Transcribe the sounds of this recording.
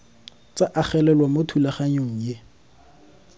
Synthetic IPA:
t͡saʔaχɛlɛlwamotʰulaχaɲoŋ̩je

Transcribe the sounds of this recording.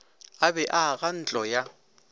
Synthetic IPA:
abɛʔaɣan̩t͡ɬʼɔja

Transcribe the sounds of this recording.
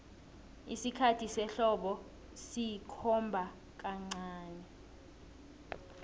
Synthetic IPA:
ḭsikʰatʰisɛɬɔɓɔ | sijikʰɔmbʱa | k̬aŋ͡ǀaːnɛ

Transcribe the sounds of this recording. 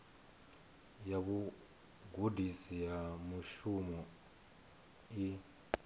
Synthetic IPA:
jaβu | ɡudisijamuʃumɔ | i

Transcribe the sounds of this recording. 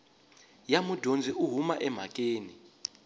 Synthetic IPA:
jamud̥ʱond͡zʱiʔuɦumaʔɛm̤akʼeːni

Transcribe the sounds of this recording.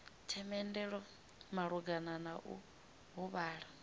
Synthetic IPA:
tʰɛmɛndɛɺɔ | maɺuɡananaʔṵ | ɦuβaːɺa

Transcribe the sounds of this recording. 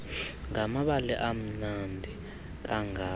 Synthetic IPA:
ŋamaɓalɛʔam̩nandʱi | k̬ʼaŋa

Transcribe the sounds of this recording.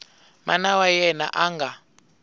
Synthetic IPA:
manawajɛna̰ʔaŋɡʱa

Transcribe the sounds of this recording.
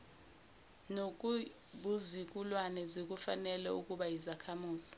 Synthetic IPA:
nok̬ʼu | ɓuzik̬ʼulwanɛzek̬ʼufanɛlɛukʼuɓajizakʰamuːzi

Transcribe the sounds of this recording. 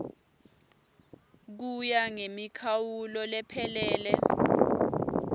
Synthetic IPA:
k̬ujaŋemikʰawulɔlɛpʰɛlɛːlɛ

